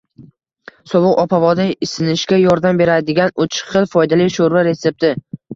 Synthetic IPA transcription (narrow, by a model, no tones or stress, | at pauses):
sɒvʊqɒpʰavɒd̪aɪsɪnɪʃkʲajɒɾd̪ambe̞ɾad̪ɪɡʲanʊt͡ʃʰɪ̥qʰɨlˠfɒjd̪alɪʃoɾvaɾe̞sep̚t̪ɪ